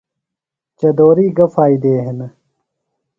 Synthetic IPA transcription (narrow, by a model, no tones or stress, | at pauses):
t͡ɕɐd̪oːɾiːɡɐfaːid̪eːɦen